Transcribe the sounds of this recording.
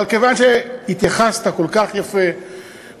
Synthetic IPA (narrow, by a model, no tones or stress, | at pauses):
lkevanʃehit̪jaχast̪akolkaχjafe